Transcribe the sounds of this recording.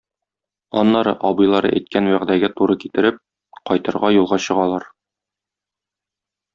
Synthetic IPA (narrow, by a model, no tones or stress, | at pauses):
ɒ̰nːɑɾɤ̰ʔɒbɤ̆jlˠɑɾɤ̰ʔæjt̪̚kænwæʁd̪æɡæt̪uɾɤkit̪ɘ̆ɾɘp̚ | qɒjt̪ɤ̆ɾʁɑjulˠʁɑɕɤ̆ʁɑlˠɑɾ